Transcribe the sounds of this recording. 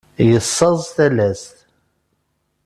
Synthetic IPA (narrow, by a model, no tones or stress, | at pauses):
jəsːɑzˤθælæsθ